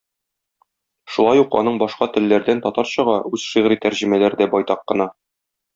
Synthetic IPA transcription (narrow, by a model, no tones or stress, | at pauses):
ʃulˠɑjuqɒ̰nɤɴbɒʃqɑt̪ɘ̆lːæɾd̪ænt̪ɒt̪ɑɾɕɤʁɑʉz̥ʃiʁɾit̪æɾʑĭmælæɾd̪æbɒjt̪ɑqːɤ̆nɑ